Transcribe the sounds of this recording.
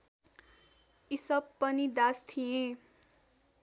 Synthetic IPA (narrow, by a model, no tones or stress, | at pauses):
isʌbːʌnid̪ast̪ʰijẽ